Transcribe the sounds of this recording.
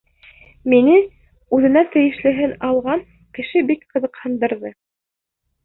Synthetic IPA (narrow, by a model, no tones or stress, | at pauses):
minɘ | ʉðɘ̆næt̪ɘ̆jɘ̆ʃlɘ̆ɦɘnɑlˠʁɑŋ | kɘ̆ʃɘbikqɤ̆ðɤ̆qhɤ̆nd̪ɤ̆ɾðɤ